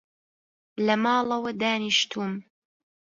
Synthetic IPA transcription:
lɐmɑːlˠɐwɐd̪aːniʃt̪ʰuːm

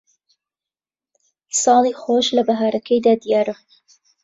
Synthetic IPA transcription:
sɑːlixoʃlɐbaɦaːɾɐkʰəjd̪aːd̪ijɑːɾa

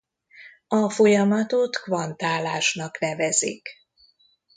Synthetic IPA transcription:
ɒfo̞jɒmɒt̪o̞t̪kvɒnt̪aːlaːʃnɒknɛvɛzḭk

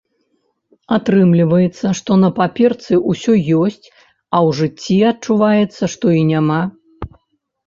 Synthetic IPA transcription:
at̪ɾɨmlʲivɐjɛt̪sːɐʂt̪ɔnɐpapʲɛrt̪sɨʔusʲɔjɔsʲt͡sʲ | ɐwʐɨt͡sʲːiat̚t͡ʂuvajɛt̪sːɐʂt̪ɔinʲama

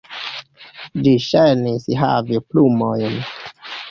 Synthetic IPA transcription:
d͡ʒiʃajnisɦa̰viplumojn

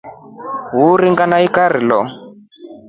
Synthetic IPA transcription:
ɦuɾiŋɡanaikaɾilɔ

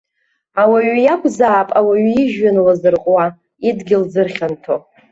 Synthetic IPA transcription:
awaɥjakʷʰʼzaːpʼawaɥiʒɥanlazɨrqʼwa | idɡʲɪld͡zɨrχʲantʰo

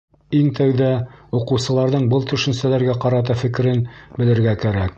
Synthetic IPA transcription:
iŋt̪æwðæuqɤ̆wsɤ̆lˠɑɾðɤɴbɤlˠt̪ɵ̆ʃɵ̆nsælæɾɡæqɑɾɑt̪ɑfɘ̆kɘ̆ɾɘnbɘ̆lɘ̆ɾɡækæɾæk̚

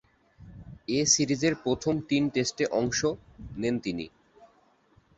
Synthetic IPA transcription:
esiɾid͡ʑeɾpɾot̪ʰomt̪inʈesʈeʔɔŋʃonent̪inḭ

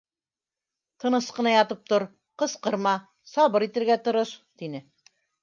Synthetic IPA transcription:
t̪ɤ̆nɤsqɤ̆nɑjɑt̪ɤp̚t̪oɾ | qɤ̆sqɤ̆ɾmɑ | sɑβɤɾit̪ɘ̆ɾɡæt̪ŏɾoʃt̪inɘ

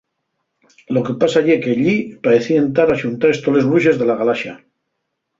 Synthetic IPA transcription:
lo̞ke̞pasaʎekeʎipaɾeθient̪aɾaʃunt̪aɾe̞st̪ole̞zβɾuʃe̞zðe̞laɣalaʃa

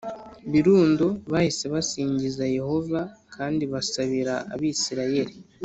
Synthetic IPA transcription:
βiɾuːndoβahise̞βasiːɲɟizaje̞ho̞vakʰaːndiβasaβiɾaʔa̰βisiɾaje̞ɾi

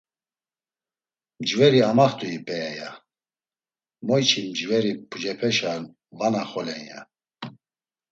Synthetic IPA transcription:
md͡ʒvɛɾiamaχt̪ʼuipʼɛaja | mɔjt͡ʃʰimd͡ʒvɛɾipʰud͡ʒɛpʰɛʃan | vanaχɔlɛnja̰

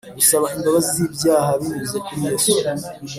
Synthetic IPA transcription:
ɡusaβaimbaβazizibjaːɦaβiɲuzekuɾije

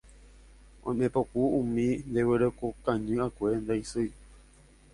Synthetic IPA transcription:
õ̰jmẽpokuũmĩnd̪eweɾekokãɲɨ̃akʷend̪aisɨj

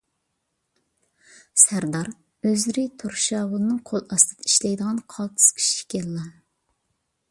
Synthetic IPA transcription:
sæɾd̪ɑɾ | øzɪɾɪt̪ʰoɾʃɑːwʊlˠɨnɨŋqʰolˠɑst̪ʰɨd̪ɑiʃlɛjd̪əʁɑnqʰɑlˠt̪ʰɨ̥skʲʰi̥ʃi̥kʲʰɛlːɑ

